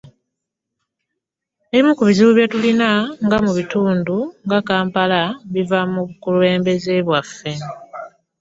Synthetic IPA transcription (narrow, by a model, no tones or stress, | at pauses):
eβimukuβiziβuβjetulinaŋɡamuβituːnduŋɡakaːmpalaβivamuβukule̞ːmbe̞zeβwafːe̞